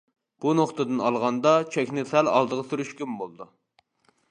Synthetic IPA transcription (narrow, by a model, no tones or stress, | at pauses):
b̥unoχt̪ɨd̪ɨnɑlˠʁɑnd̪ɑt͡ʃʰɛkʲnɪsælɑ̰lˠd̪əʁɑsyɾyʃkʲymbolˠɨd̪u